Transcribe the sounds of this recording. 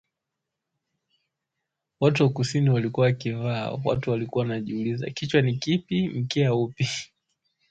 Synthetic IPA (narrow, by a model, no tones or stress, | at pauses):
watuwakusiniwalikuwaakiva̰ːwa̰tuwalikuawnaʄiuliza̰kit͡ʃwanikipim̩kiaupi